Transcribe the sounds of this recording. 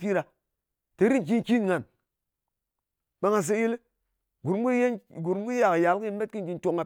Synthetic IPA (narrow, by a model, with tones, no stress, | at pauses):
pi˦ɾa˨ | te˨˦ɾi˦n˨ki˦nki˦nŋa˨n | ɓa˦ŋa˨s̬e˧ji˦l | ɡu˨ɾɡu˦je˦ɡu˨ɾm˦ɡu˦a˨kja˨˦lki˦n˦me˦t̚ki˦n˨ɡi˧nto˨ŋa˨